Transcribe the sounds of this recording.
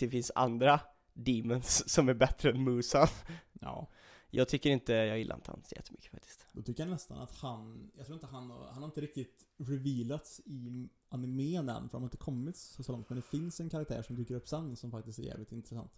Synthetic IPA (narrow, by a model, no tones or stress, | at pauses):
d̪̥ɛfɪnsa̰nd̪ɾa | d̪iːmɛnsːɔmæɾbɛt̪ɾəɛnmuːsaɑ̰ː | jɑ̰ɡt̪ʰʏkːəɾɪnt̪əjɑːɡjɪlːa̰ɾɪ̰nt̪ʰəa̰nsjɛ̰t̪ːəmʏ̥kːə̥fa̰k̚t̪ʰɪ̥st̪d̪ɔt̪ʰʏkːəɾhanɛst̪a̰na̰t̪hanjɑɡt̪ɾuːɾɪt̪əɦanɑ̰ɾhanhaɾɪnt̪əɾɪk̚t̪ɪt̪ɾɪviːlat̪sɪ | anɪmeːnɛ̰mfœɾdanhɾɪnt̪əkʰɔmːɪt̪sɔsolɔŋt̪mɛnd̪ɛfɪnsɛnkʰaɾak̚t̪ʰæ̰ːʂɔmd̪yːkːəɾɵpːsanːɪŋsɔmfakt̪ɪst̪æɾjɛ̰ːvlɪt̪ɪnt̪ɾɛsa̰nt̪